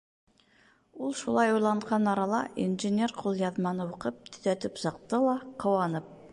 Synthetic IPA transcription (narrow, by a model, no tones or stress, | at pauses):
ulˠʃulˠɑjujlˠɑɴqɑnɑɾɑlˠɑ̰ḭnʒɨnʲerqʰulˠjɑðmɑnɤuqɤp̚t̪ʰɵ̥̆ðæt̪ɘpsɑq̚t̪ɤlˠɑqʰɤ̆wɑnɤp̚